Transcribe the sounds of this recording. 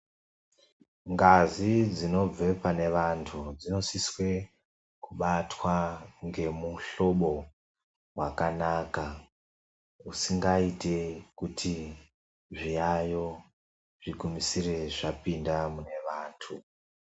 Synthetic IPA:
ŋɡazid͡zino̞b͡ve̞pane̞ʋantʰud͡zino̞siswe̞ | kuɓatwaŋɡe̞muɬo̞ɓo̞ | wakanaːka | usiŋɡaite̞kutʰi | ʐijajo̞ | ʐ̥iɡumisire̞ʐapindamune̞ʋaːntʰu

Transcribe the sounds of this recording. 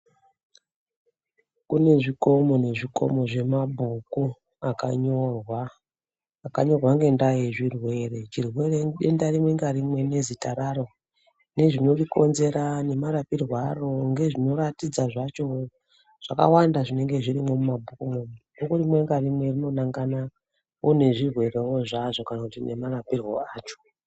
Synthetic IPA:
kune̞ʐiko̞mo̞ne̞ʐiko̞̰mo̞ʐe̞mabʱuku | aka̰ɲorwaː | kaɲo̞rwaŋɡe̞ndajeʐirwe̞re̞t͡ʃirwe̞reɗendaɾimwe̞ŋɡaɾimwe̞ne̞zitaɾaɾo̞ | ne̞ʐino̞riko̞nze̞ɾane̞maɾapirwaro̞ŋɡe̞ʐino̞ratid͡zaʐat͡ʃo̞ | ʐ̥aka̰wandaʐine̞ŋɡe̞ʐiɾimo̞mumabʱukumomudokurimwe̞ŋɡarimwe̞irino̞naŋɡana | one̞ʐirwe̞rewoʐaʐo̞kanakutine̞marapirwo̞aːt͡ʃo̥

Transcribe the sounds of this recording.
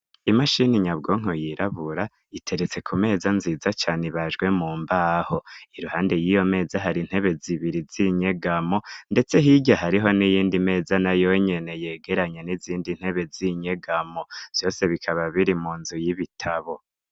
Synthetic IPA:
imaʃiniɲabɡo̞ŋ̥ojiɾʔaβuɾa | itʰe̞ɾet͡se̞kʰume̞ːzanziːzat͡ʃaːniβaʒɡwe̞muːmbaːho̞iɾuhaːnde̞jijo̞me̞ːzaɦaɾin̥he̞βe̞ziβiɾiziɲe̞ɡamo̞nde̞t͡se̞ɦiɟahaɾiɦo̞nijiːndime̞ːzanajo̞ɲe̞ne̞je̞ːɡe̞ɾaɲeniziːndin̥he̞βe̞ziɲe̞ɡamo̞z̥jo̞ːse̞βikʰaβaβiɾimuːnzujiβitʰaβo̞

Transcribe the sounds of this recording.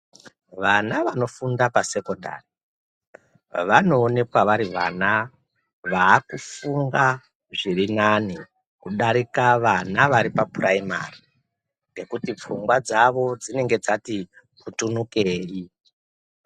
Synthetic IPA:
ʋanaʋano̞fundapase̞ko̞nda̰ːri | ʋano̞ːne̞kwaʋaɾiʋana | ʋaːkufuŋɡa | ʐirinani | kuɗaɾikaʋanaʋaɾipapuraima̰ri | ŋɡe̞kutip͡fuŋɡwad͡zaʋo̞d͡zine̞ŋɡe̞d͡zati | kutunuke̞ːri

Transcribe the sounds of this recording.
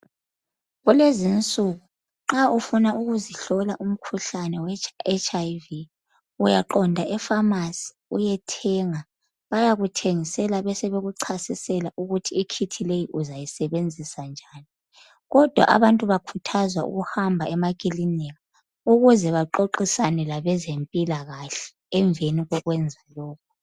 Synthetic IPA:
ɣulezint͡sʼuɣu | ŋ͡ǁaufunaʔuɣuziɬɔlaʔum̩kʰuɬanɛwɛɛt͡ʃʰʼaivi | ujaǃɔndʱaʔɛfamasi̥ | ujɛtʰɛŋa | βajaɣutʰeŋisɛlaβɛsɛβeɣuǀʰasisɛlaʔuɣutʰiːkʰitʰilejiʔuzajisɛβend͡zʱisand͡ʒʱaːni | ɣɔd̥ʱwa̰ʔa̰βantʼuβakʰutʰazwaṵɣuhambʱaɛmakʼiliniɣa | uɣuzɛβaǃoǃisanɛlaβɛzempʼilaɣaɬɛ̥ːɱveniɣɔɣwɛnd͡zʱalɔːkʰu̥

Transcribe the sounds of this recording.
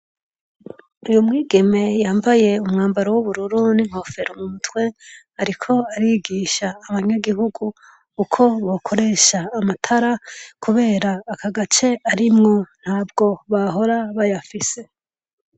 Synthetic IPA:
ujumŋiːɡe̞me̞jaːmbaje̞umŋaːmbaɾowuβuɾuɾuniŋ̥ho̞fe̞ɾomumutwe̞ | aɾikʰo̞aɾiɡiːʃaːβaɲaɡiɦuɡu | kukʰo̞βo̞kʰo̞ɾe̞ʃaːmatʰaɾakʰuβe̞ːɾaːkaɡat͡ʃe̞aɾimŋo̞n̥haːbɡo̞βaɦo̞ɾaβajafise̞

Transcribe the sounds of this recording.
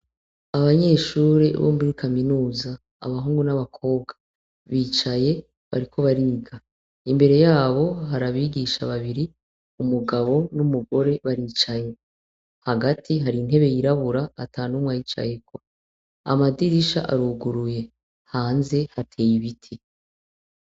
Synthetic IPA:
aβaɲe̞ːʃuːɾḛβo̰ːmbiɾikʰaminuːza̰ː | βaɦuːŋɡunaβakʰo̞ːβɡa | βiːt͡ʃaje̞ | βa̰ɾikʰo̞βaɾiːɡa | imbe̞ɾe̞jaːβo̞ɦaɾaβiɡiʃaβaβiɾi | umuɡaβo̞numuɡo̞ɾe̞βaɾiːt͡ʃaje | haɡatʰiɦaɾin̥ɦe̞βe̞jiɾaβuɾaːtʰaːnumwajit͡ʃa̰je̞kʰo | a̰madiɾiʃa̰ʔaɾuɡuɾuje̞ | haːnze̞hatʰe̞ːjiβitʰi

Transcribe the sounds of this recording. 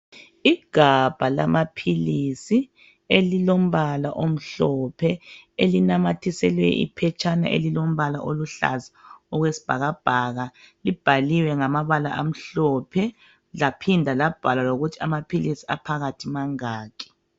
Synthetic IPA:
iɡ̥ʱab̥ʱala̰mapʰilisi | elilom̩βalaʔom̩ɬɔpʰɛelinamatʰisɛlwɛ̰ḭpʰɛt͡ʃʼana̰ʔḛlilom̩βalaʔoluɬa̰zaɔɣwesi̥b̥ʱaɣab̥ʱaɣa | lib̥ʱaliwɛŋamaβala̰ʔam̩ɬɔpʰɛ | lapʰindʱalab̥ʱalaloɣutʰia̰mapʰilisia̰pʰaɣatʰimaŋaːkʰʼɛ̥

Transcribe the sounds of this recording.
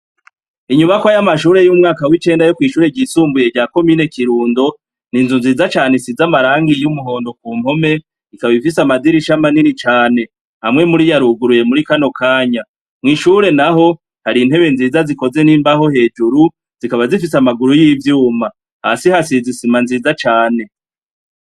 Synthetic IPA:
iɲuβakwoajamaʃuːɾe̞jumŋaːkawit͡ʃe̞ːndajokwiːʃuːɾe̞ɟiːsuːmbuje̞ɟaːko̞miːne̞kiɾuːndo̞ | ninzunziːzat͡ʃaːne̞sizamaɾaːŋɡijumuɦo̞ːndo̞kuːm̥ho̞me̞ | ikaβaβifisamadiɾiʃamaniɾit͡ʃaːne̞ | hamŋe̞muɾijaɾuɡuɾuje̞muɾikano̞kʰaːɲa | mŋiːʃuɾe̞naɦo̞ | haɾin̥he̞βe̞nziːzaziko̞ze̞niːmbaho̞he̞ːd͡ʒuɾu | z̥ikaβazifisamaɡuɾujivjuːma | hasihasizisimanziːzat͡ʃaːne̞

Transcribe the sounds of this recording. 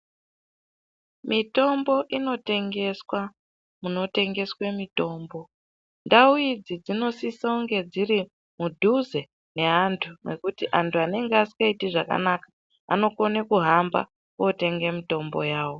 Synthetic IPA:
mito̞mbo̞ʔino̞te̞ŋɡe̞swa | muno̞te̞ŋɡe̞swe̞mito̞ːmbo̞ | ndauid͡zid͡zino̞sisauŋɡe̞d͡ziɾi | mudʱuze̞ | ne̞antʰune̞kutiʔantʰuane̞ŋɡeasi̥kaitiʐaka̰nakḁ | a̰no̞ko̞nekuɦamba̰ | kote̞ŋɡemito̞mbo̞̰jaːwo̞

